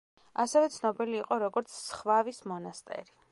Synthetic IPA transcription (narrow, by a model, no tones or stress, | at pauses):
asɛvɛt̪sʰnɔbiliːqʼɔɾɔɡɔɾt̪sʰsχvavismɔnast̪ʼɛ̰ɾi